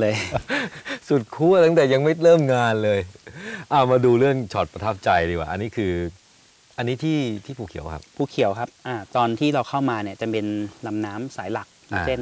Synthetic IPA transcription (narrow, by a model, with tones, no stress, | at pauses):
lɤː˧j | su˨˩t̪̚kʰuː˥˩ɐt̪ʰa˥˩ŋt̪ɛː˨˩ja˧ŋma˥˩jɾɤː˥˩mŋaː˧nlɤː˧jʔa˧˩maː˧duː˧ɾɯ˥˩əŋt͡ɕʰɔː˨˩t̪̚pɾa˧t̪ʰa˦˥p̚t͡ɕa˧jdiː˧˩waː˩ʔa˧nːiː˦˥kʰɯː˧ | ʔa˧nːiː˦˥t̪ʰiː˥˩t̪ʰiː˥˩pʰuː˨˩kʰḭ˨˩˦wkʰa̰˦˥p̚pʰuː˧˩kʰi˨˩˦wkʰa˦˥p̚ʔaː˧˩t̪ɔː˧nt̪ʰiː˥˩ɾa˧wkʰa˥˩wmaː˧ni˥˩ɐt͡ɕa˧˨˩pe˧nla˧mnaː˦˥msaː˩˦jla˨˩k̚se˥˩n